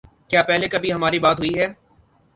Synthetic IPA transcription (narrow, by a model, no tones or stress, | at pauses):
kjaːpɛɦlekɐbʱiɦɐmaːɾibaːt̪ɦʊiɦɛː